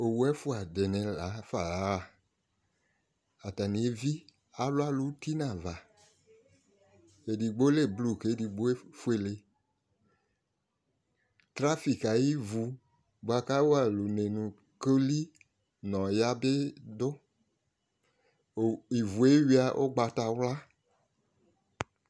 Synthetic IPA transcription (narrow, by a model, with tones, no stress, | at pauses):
o˨wu˦ɛ˦fʊ˦a˨de˨nɛ̃˨la˨˦fa˨la˨˦a˨ | a˨ta˨nĩ˨e˦vi˦ | a˨lʊ˦a˦lu˦ti˦nã˨va˨ | e˨di˨ɡ͡bo˦le˦˨blu˦˨ke˨˦di˨ɡ͡bo˦e˦fu˦e˨le˨ | tɾa˦fi˨ka˨ji˦vu˨ | bo˨a˨ka˦wo˦a˨lu˨ne˨nũ˨ | ko˦li˦ | nɔ̃˨ja˦be˦dʊ˦˨ | i˨vu˨e˦wi˦a˨ʔo̰˦ɡ͡ba˨ta˨wla˦